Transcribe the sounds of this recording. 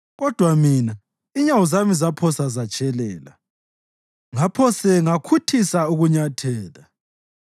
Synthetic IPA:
ɣɔd̥ʱwamina | iɲawuzamizapʰɔsazat͡ʃʼɛlɛːla̰ | ŋapʰɔsɛŋakʰutʰisauɣuɲatʰɛːla

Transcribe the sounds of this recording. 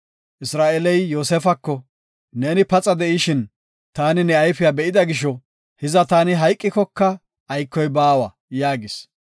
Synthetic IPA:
ʔɪsɾaːʔɛlɛjːo̞ːsɛfɐkːɔ | neːnɪpɐt͡sʼɐd̪ɛʔɪʃɪn | t̪aːnɪnɛɐjfɪjaːbɛʔɪd̪ɐɡɪʃ̬ɔ | hɪzɐt̪aːnɪɦɐjkʼːɪkɔkːɐ | ʔːjkːɔjbaːwɐ | jaːɡɪs

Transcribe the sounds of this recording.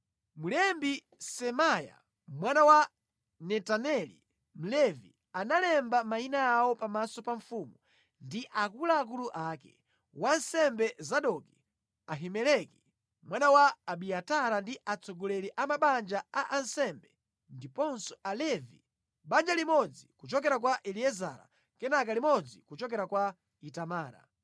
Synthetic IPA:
mulɛmbi | sɛmaja̰ | mwanawa | nɛtanɛlḭ | m̩lɛvḭ | analɛmbamainaawɔpamasɔpaɱfumu | ndiʔakulaːk̬uluʔaːkɛ̰ | wansɛmbɛzaɗɔki | aɦimɛlɛki | mwanawaːɓiataɾandiat͡sʰɔɡɔlɛɾiʔamaɓand͡ʒaaʔansɛmbɛ | ndipɔnsɔalɛvḭ | ɓand͡ʒalimɔd͡zikut͡ʃɔk̬ɛɾak̬waʔɛliɛza̰ːɾa̰ | kɛnak̬alimɔd͡zikut͡ʃɔkɛɾakwa | itamaːɾa̰

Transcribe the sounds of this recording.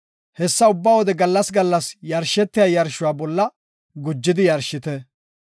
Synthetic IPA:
hɛsːɐʊbːawɔd̪ɛɡɐlːɐsɡɐlːɐsjɐɾʃɛt̪ːɪjɐːjɐɾʃʊwaːbɔlːɐ | ɡʊd͡ʒːɪd̪ɪjɐɾʃɪt̪ɛ

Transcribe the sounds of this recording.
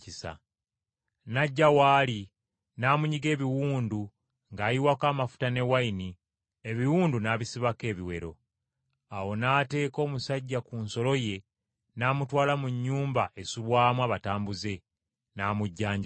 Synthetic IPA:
isa̰ | naɟːawaːli | naːmuɲiɡe̞ːβiwuːndu | ŋɡaːjiwakaːmafu̥tane̞waini | e̞βiwuːndunaːβisiβake̞ːβiwe̞ɾo̞̰ | awo̞naːte̞ːko̞ːmusaɟːakunso̞lo̞je̞ | naːmutwaːlamuɲːuːmbaʔe̞suβwaːmwaːβataːmbuze̞ | naːmuɟːaːɲɟ

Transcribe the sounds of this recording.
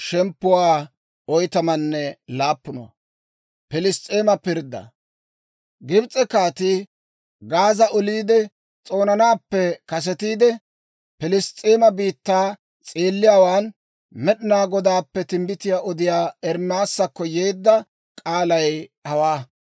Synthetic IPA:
ʃɛmpːʊwaː | ɔjt̪ɐmɐnːɛlaːpːʊno̰ | pɪlɪstʼːeːmɐpɪɾd̪ːɐ̰ | ɡɪbt͡sʼːɛkaːt̪ɪ | ɡaːzɐʔɔliːd̪ɛ | t͡sʼo̞ːnɐnaːpːɛkɐs̬ɛt̪iːd̪ɛ | pɪlɪst̪ʼe̞ːmɐbiːt̪ːaː | t͡sʼeːlːɪjaːwaːn | mɛɗɪnaːɡɔd̪aːpːɛt̪ɪmbɪt̪ɪjaːʔɔd̪ɪjaːɛɾmaːsːɐkːɔjeːd̪ːɐ | kʼaːlɐjhɐwaː

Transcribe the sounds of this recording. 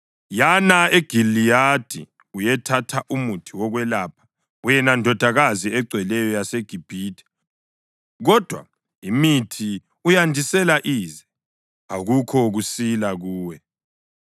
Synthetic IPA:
janaeɡ̥ʱilijad̥ʱḭ | ujɛtʰatʰaʔumutʰiwɔɣwɛlaːpʰḁ | wjɛnandʱɔd̥ʱaɣaziɛɡ͡ǀʱwɛlɛjɔjaseɡ̥ʱib̥ʱidʰʱʼɛ̥ | ɣɔd̥ʱwa̰ | imitʰi | ujandʱisɛlaʔiːzɛ | a̰ɣukʰɔɣusilaɣuːwɛ

